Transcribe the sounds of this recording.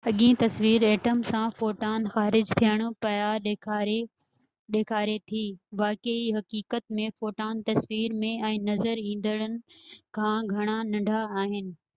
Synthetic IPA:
ɦɐɠĩt̪ɐsʋiːɾeːʈəmsãfoːʈaːnxaːɾɪd͡ʑt̪ʰijəɽ̃̆pɐjaɗʰɾe | ɗeːkʰaːɾet̪ʰiːʋaːkeiɦɐkiːkət̪mẽfoːʈaːnt̪ɐsʋiːɾmẽɛ̃ːnɐzəɾĩːn̆d̪əɽ̃ənɪ̆kʰãːɡʱɐɽ̃anɐ̃ɳɖʱaːɦɪnɪ̆

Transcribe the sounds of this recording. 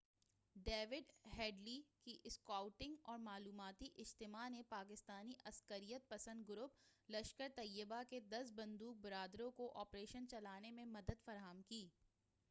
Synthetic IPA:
ɖeːʋɪɖɦɛːɖlikiʔɪskaːʊʈɪ̃ŋɡɔːɾmaːluːmaːt̪iʔɪd͡ʒt̪ɪmanepaːkɪst̪aːniʔɐskəɾijət̪̚pɐsə̃nd̪̚ɡʊɾʊplɐʃkəɾt̪ɐjːəbaked̪ɐsbɐ̃nd̪uːk̚bɪɾaːd̪ɾõkoʔɔːpɾeːʃənt͡ʃɐlaːnemẽmɐd̪əd̪fɐɾaːɦəmkiː

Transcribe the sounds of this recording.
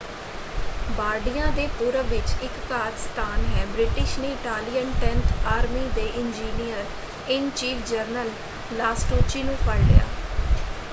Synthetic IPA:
baːɾɖijãːd̪eːpuːɾəʋɪt͡ʃɪkːaːɾst̪ʰaːnɦɛːbɾɪʈɪʃneːɪʈaːlijənʈɛnt̪ʰaːɾmiːd̪eːʔɪnd͡ʒiːnijəɾ | ɪnt͡ʃiːpʰd͡ʒəɾnəlː | aːsʈoːt͡ʃiːnũːpʰəɽlɪ̰ja̰ː

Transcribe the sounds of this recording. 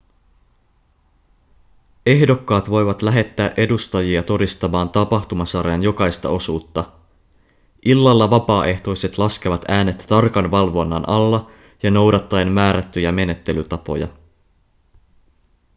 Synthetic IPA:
e̞ɦdo̞kːɑːt̪ʋo̞jʋɑt̪læɦe̞t̪ːæːʔe̞dust̪ɑjiɑt̪o̞dist̪ɑmɑːnt̪ɑpɑxt̪umɑsɑrjɑnjo̞kɑjst̪ɑ̰o̞suːt̪ːɑ | ʔilːɑlːɑʋɑpɑːʔe̞ht̪o̞jse̞t̪lɑsk̟eʋɑt̪æːne̞t̪ːt̪ɑrkɑnʋɑlʋo̞nːɑ̰nʔɑlːɑ | jɑno̞wdɑt̪ːɑenmæːɾæt̪ːyjæme̞ne̞t̪ːe̞lyt̪ɑpo̞̰jɑ̰

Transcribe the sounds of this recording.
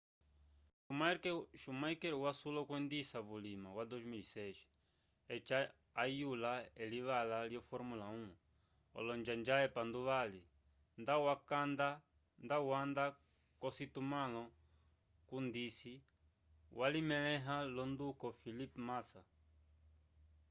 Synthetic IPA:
umaʃumajkɛɾwasulɔkwɛnd̪isaβulimawad̪ozmilisɛʃ | ɛt͡ʃaː | julaɛliβalaliɔfɔɾmulaũ | ɔ̰lɔnd͡ʒand͡ʒaɛpand̪uβali | nd̪awakand̪a | nd̪awand̪a | kɔsit̪umalɔ | kund̪isi | wʔalimɛlɛɦalɔnd̪ukɔfilipmasa

